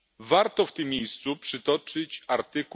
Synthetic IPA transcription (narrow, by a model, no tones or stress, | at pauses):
vaɾt̪ɔft̪ɨmʲːjejst̪supʂɘt̪ɔt͡ʂɘt͡ɕaɾt̪ɘk